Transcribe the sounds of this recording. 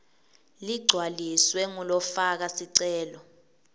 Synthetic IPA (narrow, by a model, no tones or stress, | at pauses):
liɡ͡ǀʱwaliswɛŋulɔfak̬asiǀɛːlɔ